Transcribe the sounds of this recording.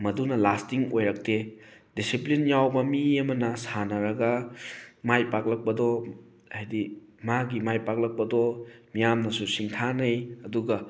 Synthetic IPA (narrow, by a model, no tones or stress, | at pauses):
mɐdunɐlastiŋojɾɐk̚te | disiplinjawbɐmiɐmɐnɐsanɐɾɐɡɐ | majpak̚lɐk̚pɐdɔ | hajdimaɡimajpak̚lɐk̚pɐdɔmijamnɐsusiŋtʰanɐjɐduɡɐ